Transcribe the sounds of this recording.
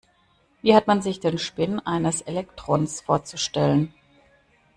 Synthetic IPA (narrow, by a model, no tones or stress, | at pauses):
viːhatmanzɪçd̥eːnʃpɪnʔaɪnəsʔelɛktʁ̥oːnsfoːɐt͡suʃtɛlən